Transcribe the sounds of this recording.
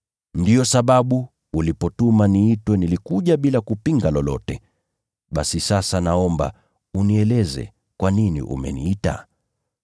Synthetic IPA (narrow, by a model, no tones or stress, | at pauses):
ndiɔsaɓaɓu | ulipɔtumaniitwɛnilikuʄaɓilakupiŋɡalɔlɔ̰tɛ | ɓasisasanaɔmba̰ | uniɛlɛzɛ̰ | kwaninḭʔṵmɛ̰nḭita̰